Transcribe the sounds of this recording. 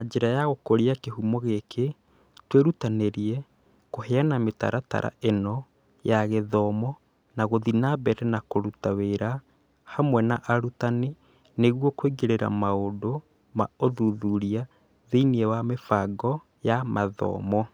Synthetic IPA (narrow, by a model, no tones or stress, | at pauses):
ad͡ʑeɾajaɣokoɾiakeɦumɔɣekʰe | tweɾutaneɾiɛ | kohɛanameta̰ɾata̰ɾʔa̰ʔenɔ | jaɣeðɔmɔ | naɣoðinabɛɾɛnakoɾutaweɾa | hamwɛnaʔaɾutane | neɣwɔkweɡeɾeɾa̰maodo | maoðuðuɾia | ðeiniɛwamefaɡɔ | jamaðɔ̰ːmɔ